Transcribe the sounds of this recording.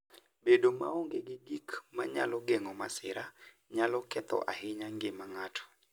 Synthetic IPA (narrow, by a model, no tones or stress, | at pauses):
bedoma̰oŋɡeɡɪɡikmaɲa̰lɔɡeŋɔmasɪɾa | ɲalɔkɛt̪ɔ̰ʔahɪɲaŋɡɪmaŋatʰɔ̥